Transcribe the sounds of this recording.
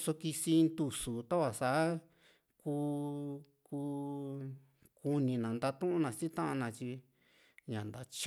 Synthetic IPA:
so˧ki˧si˧nt̪u˧su˨t̪a˦βa˨sa˨a˦ | kuː˧ | kuː˧ | ku˧nĩ˨nã˨nd̪a˧t̪ũ˦ʔũ˦nã˧si˦t̪ã˦ʔã˧nã˧t͡ʃi˧ | ɲã˨nd̪a˨t͡ʃ

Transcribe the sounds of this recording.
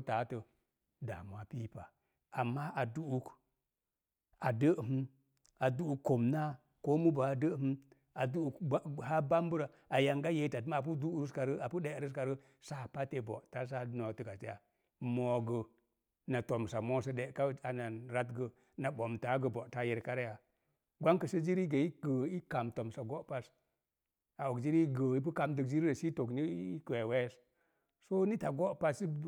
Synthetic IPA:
ta˨˦tə˨ | da̰˨mʷ˨a˦pi˦pa˨ | a˨mːa˦ʔa˨du˦ʔu˦k | a˨də˦˨ɦ̩˦ | a˨du˦u˨kkːo˨mna˦ | ko˦mu˦ba˨a˨də˦hi˦ | a˨du˦u˦ka˦ha˦ba˦m˦bə˦ɾa˨ | a˨ja˨ŋɡa˦je˨˦ta˨tm˦a˨p̬u˦du˦ɾu˦ska˨ɾə˦a˨pu˦ɗe˦˨˦ɾə˦ska˨ɾə˦ | sa˦˨pa˦te˨bo̰˨ʔta˦s̬a˦no˨tə˦˨ɡa˨ti˦ja˨ | mo˨ɡə˨ | na˨to˨msa˨mo˦sə˦ɗe˨˦ka˦a˨na˨nɾa˦tɡə˨ | na˨ɓo˨mta˨˦ɡə˨bo˨ta˦ji˨ɾka˦ɾja˨ | ɡʷa˦ŋkə˨sə˦d͡ʒi˦ɾi˦ɡə˨i˦kə˨i˦ka˨mto˨msa˨ɡo˦ʔpa˦s | a˨wo˨kd͡ʒi˦ɾi˦ɡə˨i˦p̬u˦ka˨mdə˨kd͡ʒi˦ɾɾə˨ʃi˦to˨kni˦i˦ke˨we˦s | so˦ni˦ta˨ɡo˦ʔpa˦si˦

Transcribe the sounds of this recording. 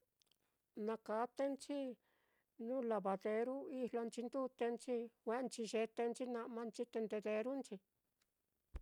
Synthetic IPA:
nã˧ka˨˦t̪e˦nt͡ʃi˦ | nũː˦la˧βa˨ðe˧ɾu˦i˦hlo˧nt͡ʃi˧nd̪u˦t̪e˧nt͡ʃi˦kʷe˧˦˧t͡ʃi˧ʒe˧t̪e˧nt͡ʃi˦nã˧ʔmã˧nt͡ʃi˦t̪e˧nd̪e˧ðe˧ɾu˦nt͡ʃi˧

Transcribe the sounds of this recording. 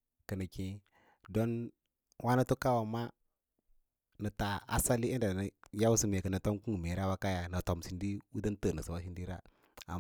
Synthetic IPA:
kə˨nə˨kĩ˨ | do˦n | wa˦na˦tu˦ka˦wa˨ma˦ | nə˨ta˨a̰˦sa˦li˦i˦nda˨nə˨ja˦wu˦si˨me˨kə˨nə˨to˦mku˦u˨me˨ɾa˦wa˦ka˦ja˨na˨to˨msi˨ndi˦wu˦də˦n˦tə˦˨nə˨si˨wa˦ʃ̬i˦ndi˦ɾa̰˦˨ | a̰˨

